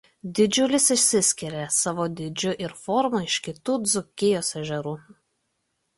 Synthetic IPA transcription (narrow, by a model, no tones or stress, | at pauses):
d̪ʲɪd͡ʒʲʊlʲɪsɪʃʲsʲɪsʲkʲɪɾʲesɑʋoːd̪ʲɪd͡ʒʲʊʔɪɾfɔɾmuɪʃʲkʲɪt̪uːd̪zʊkʲɪjoːsɛʒʲɛɾuː